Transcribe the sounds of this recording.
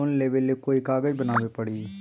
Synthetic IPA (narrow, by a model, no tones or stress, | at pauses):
nleːʋelːekoikaːɡəd͡ʒbənaːʋepəɽiː